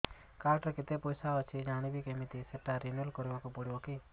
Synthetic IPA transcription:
kaɾʈɾekit̪epɔjsaɔt͡ʃʰid͡ʒañibikemit̪iseʈːaɾinuelkɔɾibakupɔɽibɔki

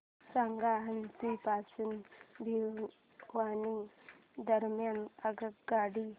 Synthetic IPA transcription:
saŋɡaɦəntipasunbʱi | ʋani | d̪əɾmjanəɡəkɡaɽi

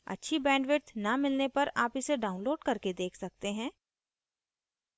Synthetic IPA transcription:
ɐ̰tːʃʰibɛ̃ːɳɖʋɪɾt̪nɐmɪlnepɐɾaːpɪseɖaːʊ̃nloːɖkɐɾked̪eːkʰsɐk̚t̪eɦɛ̃ː

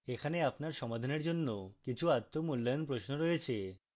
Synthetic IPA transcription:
ekʰaneapnaɾʃɔmad̪ʱaneɾd͡ʑonːokit͡ɕʰuat̪ːomulːajonpɾosnoɾɔɦet͡ɕʰe

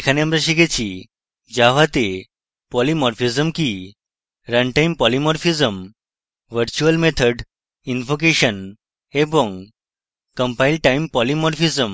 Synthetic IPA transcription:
ʈkʰanjamɾəɕiɡet͡ɕi | d͡ʑaʋat̪e | pɔlimɔɾfizəmki | ɾə̃nʈaimpɔlimɔɾfizəm | ʋəɾt͡ɕuəlmet̪ʰəɖ | infok̬eɕən | ebɔ̃ŋɡ | kəmpailɖʈaimpɔlimɔɾfizəm

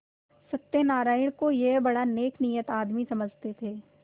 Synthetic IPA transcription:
sɐt̪ːenaːɾaːɪɽ̃kojebɐɽaneːkʰnijət̪aːd̪misɐməd͡ʒʱt̪et̪ʰeː

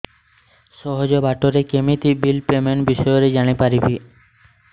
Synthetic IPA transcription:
ʃɔɦod͡ʑobaʈoɾekemit̪ibilpemenbiʃɔjoɾed͡ʑaɽ̃ipaɾibi

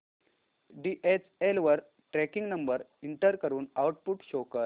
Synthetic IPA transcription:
ɖiʔet͡selʋəɾ | ʈɾɛkiŋɡnəmbəɾiɳʈəɾkəɾuːnawʈ̚puʈɕokəɾ

